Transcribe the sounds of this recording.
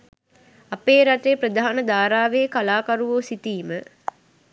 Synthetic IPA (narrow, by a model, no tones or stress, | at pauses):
apeːɾaʈ̪eːpɾəd̪aːanəd̪aːɾaːʋeːkalaːkaɾuʋoːsit̪iːmə